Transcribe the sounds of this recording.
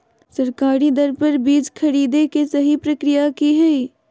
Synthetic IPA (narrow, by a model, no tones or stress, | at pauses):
sɐɾkaːɾid̪ɐɾpɐɾbiːd͡ʒkʰɐɾiːd̪ekesɐɦipɾɐkɾijakiɦɛi